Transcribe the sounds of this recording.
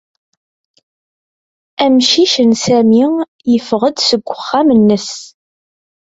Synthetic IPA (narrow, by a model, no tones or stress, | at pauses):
æmʃiʃənsæmi | jəfʁəd̪səɡʷːəχːæmənːəs